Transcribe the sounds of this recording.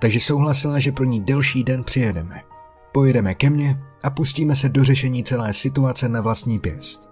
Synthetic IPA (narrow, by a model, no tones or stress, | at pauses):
t̪aɡʒɛso̞wɦlasɪlaʒɛpɾo̞ɲiːdɛlʃiːdɛnpr̝̥ɪjɛdɛmɛ | po̞jɛdɛmɛkɛmɲɛʔapusciːmɛs̬ɛdo̞r̝ɛʃɛɲiːt͡sɛlɛːsɪt̪uat͡sɛnavlast̪ɲiːpjɛ̰st̪